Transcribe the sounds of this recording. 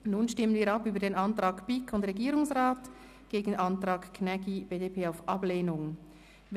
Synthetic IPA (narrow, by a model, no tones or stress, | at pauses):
nunʃtɪmənviːɐɾɑpyːbədeːnɑntʁɑːkpikʰʊndʁɛɡiːɾʊŋsʁaːt | ɡ̥eːɡn̩ʔɑntʁɑːkkʰnɛkibeːdeːpʰeːaʊfʔɑbleːnʊŋ | v